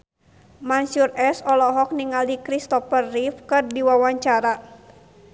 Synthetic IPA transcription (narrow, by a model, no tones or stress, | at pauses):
mansurɛsɔlɔɦɔk̚niŋaldikɾist̪ɔfərːifkɨrdiwawaɲt͡ʃaɾa